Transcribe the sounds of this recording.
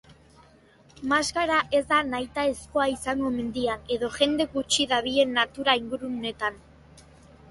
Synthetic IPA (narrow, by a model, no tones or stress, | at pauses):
maskaɾaʔe̞zd̪anajt̪ae̞sko̞aisaŋɡo̞me̞nd̪iane̞ðo̞ʝe̞nd̪e̞ɣut͡ʃiðaβ̞ie̞nːat̪uɾaiŋɡuɾune̞t̪an